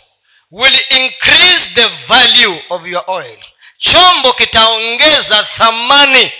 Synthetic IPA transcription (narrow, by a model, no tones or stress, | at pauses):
wilĩŋkʰrisðəvaljuɔfjɔʔɔjl | t͡ʃʰɔmbɔkitʰaɔŋɡɛzaθamani